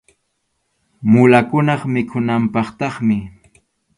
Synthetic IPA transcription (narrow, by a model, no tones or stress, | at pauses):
mʊlakʊnɑχmɪkʰʊnampɑχt̪ɑχmɪ